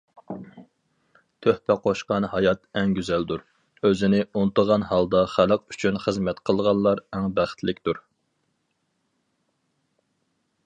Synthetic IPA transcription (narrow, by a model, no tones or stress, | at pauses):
t̪ʰøhpɛqʰoʃqɑnhɑjɑt̪ɛŋɡʲyzɛld̪uɾ | øzɪnɪunt̪əʁɑnhɑlˠd̪ɑχæləqyt͡ʃʰynχəzmɛt̪qʰəlˠʁɑnlˠɑɾɛŋbæχt̪lɪkʲt̪uɾ